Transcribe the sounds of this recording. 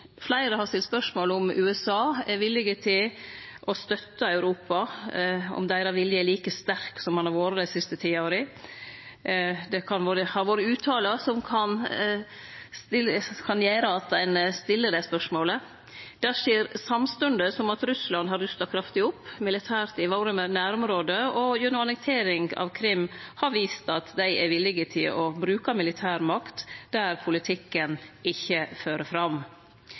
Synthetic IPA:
flæɪɾəhɑɾst̪ɪlspœʂmoːləʊmʔʉːɛsɑːɛɾʋɪlːɪɡət̪ʰɪlʔɔst̪œt̪ːəɑʉɾuːpɑ | ɔ̰md̪æɪɾɑʋɪljəɛliːkəst̪æɾksɔmhɑnɑɾʋoːɾəd̪æɪsɪst̪ət̪ʰiːoːɾəɪ | d̪ɛkʰɑnʋoːɾəhɑɾʋoːɾəʉːt̪ʰɑːləsɔmkʰɑn | st̪ɪkʰɑnjeːɾəɑt̪̚d̪æɪnst̪ɪlːəd̪ɛspœʂmoːlə | d̪̥æʂeːɾsɑmst̪ʉnd̪əsɔmɑt̪ɾʉslɑnd̪ɦɑɾʉst̪ɑkʰɾɑft̪ɪʊpːmɪlɪt̪ʰæːɾt̪ɪʋoːɾəmɛnæːɾʊmɾoːd̪əɔjʉnʊɑnɛk̚t̪ʰeːɾɪŋɑ̰ʋkʰɾɪmːhɑɾʋiːst̪ɑt̪d̪æɪʔæɾʋɪlːɪɡət̪ʰɪlɔbɾʉːkɑmɪlɪt̪ʰæːɾmɑkt̪d̪æɾpʰʊlɪt̪ʰɪkːənɪçːəføːɾəfɾɑm

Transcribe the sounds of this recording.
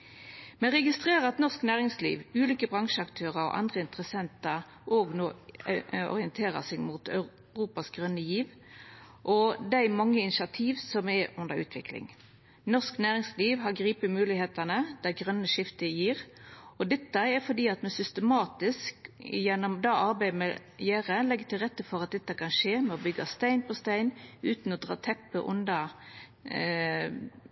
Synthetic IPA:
mɛʁɛɡɪst̪ʁeːɾəɑt̪nɔʁsknæːʁɪŋslḭːʋʉːliːkəbʁɑŋʂəɑkt̪ʰøːʁəɔ̰ʔɑ̰nd̪ʁəɪnt̪ʁəsɛnt̪ɑʁ | ʔoːɡnoː | ɔ̰ʁɪɛnt̪ʰeːʁə̰sɛɡmuːt̪œ | ʁuːpɑsɡʁœnːəjiːʋ | ʔɔd̪æmɑŋːəɪnɪʃɑt̪ʰiːʋsɔmɛʔʉnd̪əɾʉ̰ːt̪ʰʋɪ̰klɪ̰ŋ | nɔʁsknæːʁɪŋsliːʋɦɑɡʁiːpəmʉːlɪheːt̪ənəd̪̥æɡʁœnːəʃɪft̪əjiːʁɔd̪ɛt̪ːəɛfɔd̪iːɑt̪mɛsʏst̪əmɑːt̪ɪskjɛnːɔmd̪ɑːʔɑɾbæɪmɛjæːʁəlɛɡːət̪ʰɪlʁɛt̪ːəfɔʁɑt̪̚d̪ɛt̪ːəkʰɑnʃeːmɛɔbʏɡːɑst̪æɪnpʰɔst̪æɪnʉːt̪nɔd̪ʁɑ̰ːt̪ʰɛpːəʔʊ̰nd̪ɑ

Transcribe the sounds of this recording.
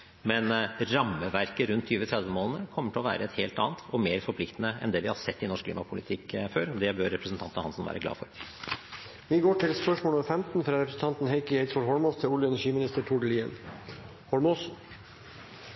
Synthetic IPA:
mɛnɾɑmːəʋæɾkəɾʉnt̪ʰːyːʋət̪ʰɾɛd̪ʋəmoːlənəkʰɔmːəʈʰɪlɔʋæ̰ːɾəɛt̪heːlt̪ɑ̰ːnt̪ɔmeːɾfɔɾpʰlɪkt̪ənəɛ̰nd̪ɛʋɪhɑɾsɛt̪ːɪnɔʂkʰlḭːmɑpʰʊlɪt̪ʰɪkføːɾɔd̪ɛbøɾːɛpɾəsənt̪ʰɑnt̪ənhɑnsnʋæ̰ːɾəɡlɑ̰ːfɔɾ | ʋiɡoːʈʰɪlspœʂmoːləfɛmt̪n̩fɾɑːɾɛpɾəsn̩t̪ɑnt̪n̩heɪkəeɪt̪sfɔhɔɭmoːst̪ʰɪlʊljəɛnæʂiːmɪnɪst̪əɾʈʰʊɖəliːə̰n | hɔlmoːs

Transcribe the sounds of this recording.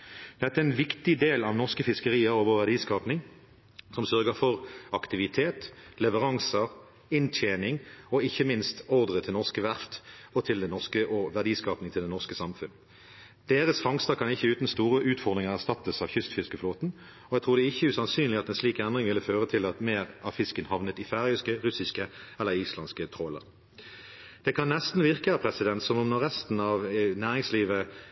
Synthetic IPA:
d̪̥ɛt̪ːəæɛnʋɪkt̪ɪd̪eːlɑʋnɔʁskəfɪskəʁiːəɾoːʋəʋæʁd̪iːskɑːpnɪŋ | sɔmsœʁɡəfɔʁɑkt̪ɪʋɪt̪ʰeːt̪lɛʋəʁɑŋsə | ɪnt̪ʰjeːnɪŋɔɪçːəmɪnst̪ɔʁd̪ʁət̪ʰɪlnɔʁskəʋæʁt̪ɔt̪ʰɪld̪ɛnɔʁskəʔɔʋæʁd̪iːskɑːpnɪŋt̪ʰɪld̪ɛnɔʁskəsɑmfʉn | d̪̥eːʁəsfɑŋst̪əkʰɑnɪçːəʉːt̪n̩st̪uːʁəʔʉːt̪fɔd̪ʁɪŋəʁæʁst̪ɑt̪ːəsɑʋçʏst̪fɪskəfloːt̪n̩ | ɔɛt̪ʰʁuːʁd̪ɛɪçːəʉːsɑnsyːnlɪɑt̪ɛnsliːkɛnd̪ʁɪŋʋɪlːəføːʁət̪ʰɪlɑt̪meːʁɑʋfɪskənhɑʋnət̪ɪfæːʁʉskəʁʉsɪskəɛlːəʁiːslɑnskət̪ʰʁoːlə̰ʁ | d̪̥ɛkʰɑnːɛst̪n̩ʋɪʁkəɑpʰʁɛsɪd̪ɛnt̪sɔmɔmnɔʁːɛst̪n̩ɑʋnæːʁɪŋsliːʋə

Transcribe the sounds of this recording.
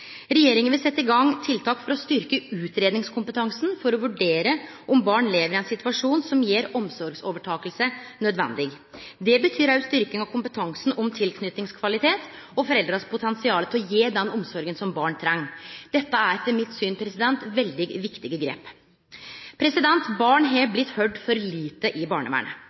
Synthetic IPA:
ɾɛjeːɾɪŋənʋɪlsɛt̪ːɪɡɑŋːt̪ʰɪlt̪ʰɑːkfɔɾɔst̪ʏɾkəʉːt̪ɾeːd̪nɪŋskʰʊmpət̪ʰɑŋsn̩fɔɾɔʋʉɖeːɾə | ʔɔmbɑːɳleːʋəɾɪɛnsɪt̪ʉɑʂuːnsɔmjeːɾɔmsɔɾɡsoːʋəʈʰɑːkəlsənœd̪ʋɛ̰nd̪ɪɡ | d̪ɛbət̪ʰyːɾɑʉst̪ʏɾkɪŋɑʋkʰʊmpət̪ʰɑŋsn̩ɔmt̪ʰɪlkʰnʏt̪nɪŋskʰʋɑlɪt̪ʰeːt̪ɔfɔɾɛld̪ɾɑspʰʊt̪ʰɛnsɪɑːlət̪ʰɪlɔjeːd̪ɛnɔmsɔɾɡənsɔmbɑːɳt̪ʰɾɛŋːd̪ɛt̪ːəæɾɛt̪ʰːəmɪt̪syːnpʰɾɛsɪd̪ɛnt̪ʋɛld̪ɪɡʋɪkt̪ɪɡəɡɾḛːp | pʰɾɛsɪd̪ɛnt̪bɑːɳɦɑblɪt̪ːhœɖfɔɾliːt̪əʔɪbɑ̰ːɳə̰ʋæ̰ːɳə̰

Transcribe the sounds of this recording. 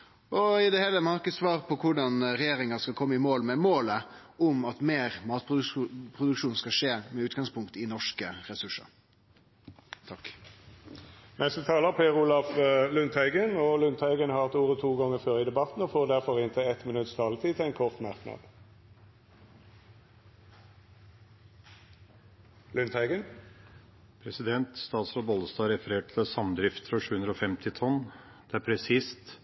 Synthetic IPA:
ɔɪd̪ɛhɛlːəmɑɑʁkəsʋɑːʁpʰɔkʰʊɖɑnɾɛjeːɾɪŋɑskɑlkʰɔmːəɪmoːlmɛmoːlə | ʊmɑt̪meːɾmɑːt̪pʰʁʊd̪ʉkʂuːnskɑʂeːmɛʉːt̪ɡɑŋspʰʊŋkt̪ɪnɔʂkəɾɛsʉʂə̰ɾ | t̪ʰɑk | nʔɛst̪ət̪ʰɑːləʁpʰeːʁuːlɑflʉnt̪ʰhæɪɡənɔlʉnt̪ʰhæɪɡənhɑːɑt̪uːʁət̪ʰuːɡɔŋəføːʁɪːd̪ɛbɑt̪n̩ɔfoːʁd̪æʁfɔʁɪnt̪ʰɛɛt̪mɪnʉt̪st̪ʰɑːlət̪ʰiːt̪ʰɛɪnkʰɔʁt̪mɑʁknɑ̰d̪̥ | lʉnt̪ʰhæɪɡən | pʰɾɛsɪd̪ɛnt̪st̪ɑːt̪slɔbɔləst̪ɑɾɛfəɾeːʈ̚ʈ̪ʰɪlsɑmd̪ɾɪft̪əɾɔʂʉːʉnd̪ɾɔfɛmt̪ʰɪt̪ʰɔnː | d̪̥ɛæɾpʰɾɛsɪst̪

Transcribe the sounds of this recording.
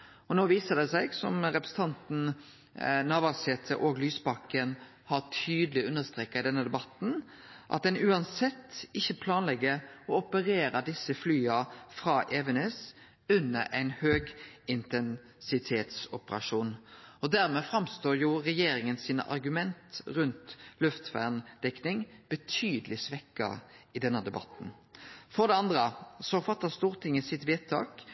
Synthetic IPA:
ɔnoːʋiːsəd̪ɛsæɪɡsɔmɾɛpɾɛsn̩t̪ʰɑnt̪n̩ | nɑːʋɑsheːt̪ʰə̰ʔoːɡlyːsbɑkːən | hɑt̪ʰyːd̪əlɪʉnːəst̪ʁeːkːɑɪd̪ɛnːəd̪ɛbɑt̪n̩ | ʔɑ̰t̪̚d̪ɛnʉːɑnsɛt̪ːɪçːəpʰlɑːnlɛɡːəɔɔpəɾeːɾɑd̪ɪsːəflyːɑfɾɑːʔɛːʋənɛs | ʉnːəɾʔæɪnhøːɡɪnt̪ʰɛn | sɪt̪ʰeːt̪sɔpəɾɑ̰ʂuːnɔd̪æɾmɛːfɾɑmst̪oːɾjʊːʁɛjeːɾɪŋənsiːnə̰ʔɑ̰ɾɡʉmɛnt̪ʁʉnt̪lʉft̪ʋæ̰ʁnd̪̥ɛknɪŋb̥ət̪ʰyːd̪əlɪsʋɛkːə̰ʁɪd̪ɛnːəd̪ɛbɑ̰t̪ːn̩fɔd̪ɛɑnd̪ɾəsɔfɑt̪ːəst̪uːʁt̪ʰɪŋːəsɪt̪ʋeːt̪ʰːɑ̰ːk

